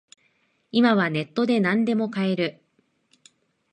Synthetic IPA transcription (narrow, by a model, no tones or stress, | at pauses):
imaβ̞ane̞t̪ːo̞d̪e̞nãnd̪e̞mo̞kae̞ɾɯ̟